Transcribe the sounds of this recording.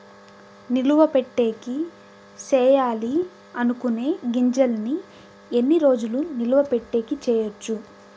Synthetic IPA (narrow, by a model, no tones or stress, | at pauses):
niluʋɐpeʈːe̞ːki | t͡ʃɛːjaːli | ɐnukune̞ːɡiɲd͡ʒɐlni | enːiɾo̞ːd͡ʒuluniluʋɐpeʈːe̞ːkit͡ʃɛːjɐt͡ʃːu